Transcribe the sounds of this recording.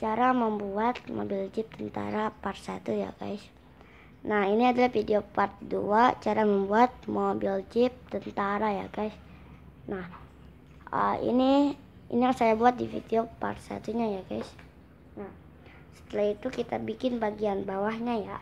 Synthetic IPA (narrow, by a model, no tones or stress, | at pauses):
t͡ʃaɾaməmbuat̪̚mo̰bild͡ʒɪp̚t̪ənt̪a̰ɾapart̪sat̪uja̰ka̰ɪs | nahiniadalahfideopart̪̚duat͡ʃaɾaməmbuat̪̚mobild͡ʒɪp̚t̪ənt̪aɾaja̰kais | nah | ə̰ḭni | ḭnijaŋsajabuat̪̚difḭdeopa̰rt̪sa̰t̪uɲajaɡaɪs | nah | sə̥t̪əlahit̪ukit̪abikɪnbaɡianbawahɲaja